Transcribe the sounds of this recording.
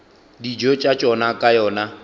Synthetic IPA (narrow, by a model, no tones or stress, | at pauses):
did͡ʒot͡ʃʼat͡ʃʼɔnakʼajɔːna